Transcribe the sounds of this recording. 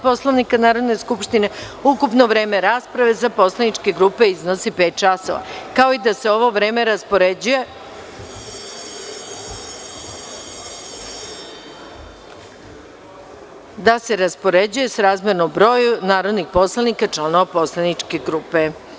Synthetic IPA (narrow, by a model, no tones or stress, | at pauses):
po̞slaʋnikanaːɾo̞d̪ne̞skupʃt̪ine̞ | ukupnoʋɾe̞ːme̞ɾaːspɾaʋe̞zapo̞slanit͡ʃke̞ɡɾuːpe̞iznosipet̪̚t͡ʃaso̞̰ʋa̰kao̞id̪ase̞o̞ʋo̞ʋɾeːme̞ɾaspoɾeuje | d̪ase̞ɾaspo̞ɾed͡ʑuje̞sɾaːzmʲjeɾnobɾo̞ːjunaːɾo̞d̪nixpo̞slˠanikat͡ʃlanoʋapo̞slˠanit͡ʃke̞ɡɾuːpe